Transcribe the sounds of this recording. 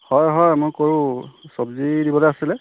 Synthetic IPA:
hɔjɦɔjmojkoɹũsɔbzidibɔlejasilɛ

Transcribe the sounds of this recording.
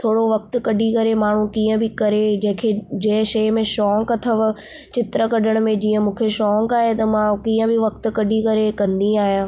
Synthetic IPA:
t̪ʰoːɽoʋɐk̚t̪ʊ̆kɐɖikɐɾemaːɳ̤ukiːə̃bɪkɐɾed͡ʑɐ̃ɦɪ̃kʰed͡ʑɐ̃ːɪ̃ʃɐːmẽʃɔːŋkɐt̪ʰəʋ | t͡ɕɪt̪ɾəkɐɗəɽ̃ʊ̆mẽd͡ʑiːə̃mũːkʰeʃɔːŋkaːɦet̪ɐmãkiːə̃bʱɪʋɐk̚t̪ʊ̆kɐɖʱikɐɾekɐ̃nd̪iaːɦijãː

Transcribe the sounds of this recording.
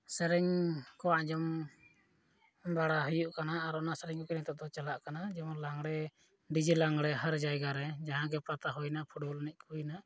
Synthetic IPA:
sɛɾɛŋkɔwaʔd͡ʒɔm | baɽaɦujuʔkanaːɾɔnasɛɾɛŋkɔkɛɾɛt̪aʔd̪ɔt͡ʃalaʔkanad͡ʒɔmlaŋɡɽɛ | ɖid͡ʒilaŋɡɽɛɦaɾd͡ʒajɡaɾɛd͡ʒaɦãɡɛpɾat̪aɦujnapʰuʈbɔlnɛc̚ˀkʰujna

